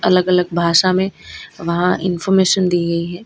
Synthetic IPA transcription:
ɐləɡɐləɡ̚bʱaːʃamẽʋɐɦãʔɪ̰nfɔːɾmeːʃənd̪iːɡɐiɦɛː

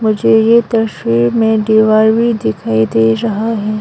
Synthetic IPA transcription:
mʊd͡ʒʱejet̪ɐʃwiːɾmẽɖiːʋaːɾʋid̪ɪkʰaːid̪eːɾɐɦaɦɛː

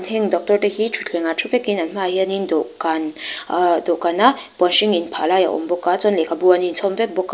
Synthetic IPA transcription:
nʰeŋdɔk̚tɔɾtehit͡ʃʰutʰeŋatʰupʰekinanmahianindɔʔkan | dɔʔkanːab̥ɔnʃiŋinpʰalaja̰ʔɔ̰mbɔkːat͡sɔnlekʰabuaninsʰɔmbep̚bɔkː

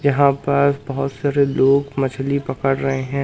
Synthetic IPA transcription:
jɐɦãpɐɾbɐɦʊt̪saːɾeloːɡmɐt͡ʃʰlipɐkəɽɾɐɦeɦɛ̃ː

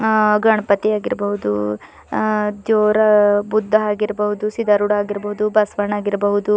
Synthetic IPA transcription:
ɡɐɳɐpɐt̪iaːɡiɾɐbɐɦud̪ṵ | d͡ʒ̪oːɾɐbud̪ʱːɐaːɡiɾɐbɐɦud̪usid̪ɐɾuɽaːɡiɾɐbɐɦud̪ubɐsʋɐɳaːɡiɾɐbɐɦud̪u

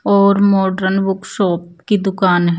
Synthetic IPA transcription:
ɔːɾmɔːɖəɾənbʊkʃɔːpkid̪ʊkaːnɦ

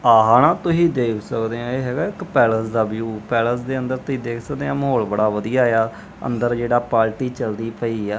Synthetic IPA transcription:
aːɦaːnãːt̪ʊɦiːd̪eːkʰsəkd̪eːãːeːɦɛːɡaːɪkpɛːləsd̪aːbjuːpɛːləsd̪eːə̃nd̪əɾt̪ʊĩːd̪eːkʰsək̚d̪eːãːməɦoːlbəɽaːʋəd̪ijaːejaː | ə̰nd̪əɾd͡ʒeːɽaːpaːlʈiːt͡ʃəld̪iːpʰəiːaː

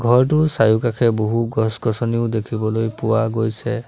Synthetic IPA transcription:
ɡʱɔɹtʊsajukakʰɛboɦuɡɔskɔsɔniʊdekʰibɔlojpʊwaɡojsɛ

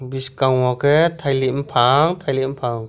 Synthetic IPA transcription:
biskaŋɔkʰɛt̪ʰajlimpʰaŋt̪ʰajlim̩pʰaŋ

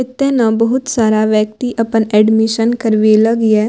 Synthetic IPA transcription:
ɪt̪ːẽnãbəɦʊt̪saːɾaʋjək̚t̪iʔɐpənɛːɖmɪʃənkəɾʋeləɡɛ

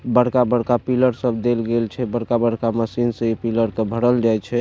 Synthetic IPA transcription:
bəɽkabəɽkapiləɾsəbʱd̪elɡelt͡ʃʰɛbəɽkabəɽkaməsinsə̃ipiləɾkebʱəɽəld͡ʒajt͡ʃʰɛ

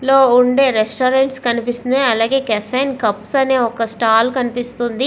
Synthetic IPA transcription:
lo̞ːuɳɖe̞ːɾesʈoːɾeɳʈskɐnipist̪ind̪eɐlaːɡe̞ːkɛfʰeːnkɐpsɐne̞ːɔkɐsʈaːlkɐnipist̪und̪i

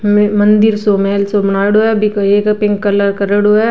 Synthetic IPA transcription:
mɐ̃nd̪ɪɾsomɛɛlsobɐnaːɽoɦɛbikeːkpɪ̃ŋɡkɐləɾkɐɾəɽoɛ

